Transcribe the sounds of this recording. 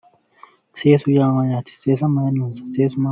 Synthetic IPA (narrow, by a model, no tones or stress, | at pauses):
sesujamajat̪ʰi̥sesamanusḁsesuma